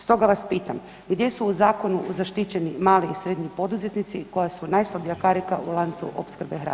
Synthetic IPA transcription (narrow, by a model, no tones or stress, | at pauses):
st̪o̞ɡaʋaspiːt̪am | ɡd̪je̞suːzaːko̞nuzaʃt̪it͡ɕe̞nimaːliisɾe̞d̪ɲipo̞d̪uze̞t̪nit̪siko̞jasunajslˠabijakaɾikaulˠant̪sṵʔo̰pskɾ̩bexɾa̰